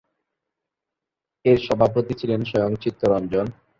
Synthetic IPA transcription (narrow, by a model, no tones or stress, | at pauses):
eɾʃɔbʱap̬ot̪it͡ɕʰilenʃɔjoŋt͡ɕit̪ːoɾɔnd͡ʑon